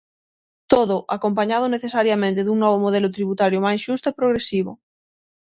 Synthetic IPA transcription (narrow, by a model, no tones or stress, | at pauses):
t̪oð̞oʔakompaɲað̞oneθesaɾjamẽnt̪eðuŋnɔβ̞omoð̞elot̪ɾiβut̪aɾjomajsʃust̪oepɾoɣ̞ɾesiβ̞o̰